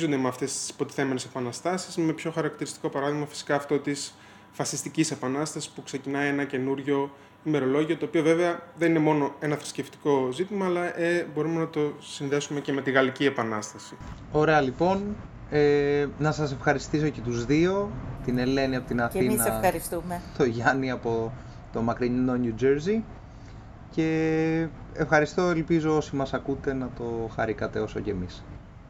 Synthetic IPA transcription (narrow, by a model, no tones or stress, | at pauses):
zond̪e̞meɐft̪e̞st̪i̥spo̞t̪i̥θe̞me̞nesepɐnɐst̪ɐsizme̞pço̞xɐɾɐkt̪iɾist̪i̥ko̞pɐɾɐðiɣmɐfisi̥kɐːft̪o̞t̪is | fɐsist̪icise̞pɐnɐst̪ɐsi̥spukse̞cinɐienɐce̞nuɾʝo̞ | ime̞ɾo̞lo̞ʝiot̪oːpiove̞veɐðe̞nine̞mo̞no̞e̞nɐθɾi̥sce̞ft̪i̥ko̞zit̪imɐːlɐʔebo̞ɾumenɐt̪o̞sinðe̞sume̞ce̞me̞t̪iɣɐlicie̞pɐnɐst̪ɐsio̞ɾe̞ɐlipo̞n | eːɐsɐse̞fxɐɾist̪iso̞ce̞t̪uzðio̞t̪ine̞le̞niɐpot̪inɐθinɐɐɾist̪umt̪o̞ʝɐniɐpo̞ | t̪o̞mɐkɾiɲino̞nud͡ʒeɾzi | ce̞ | efxɐɾist̪o̞elpizo̞o̞simɐsɐkut̪e̞nɐt̪o̞xɐɾikɐt̪e̞o̞so̞̰ce̞mis